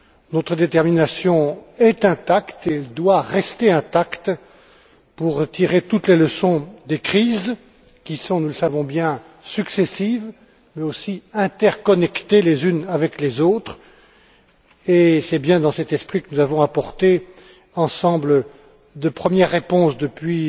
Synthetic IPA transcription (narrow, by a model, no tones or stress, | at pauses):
nɔt̪χəd̪et̪ɛʁminasjɔ̃ɛt̪ɛ̃t̪akt̪eɛld̪waʁɛst̪eɛ̃t̪akt̪ | puʁət̪iʁet̪ut̪leləsɔ̃d̪ekχiz | kʲisɔ̃nuləsavɔ̃bjɛ̃ | syksesiv | mɛosiɛ̃t̪ɛʁkɔnɛkt̪elezynavɛklezot̪χ | esɛbjɛ̃d̪ɑ̃sɛt̪ɛspχikənuzavɔ̃apɔʁt̪e | ɑ̃sɑ̃blə | d̪əpχəmjɛʁːepɔ̃sd̪əpɥi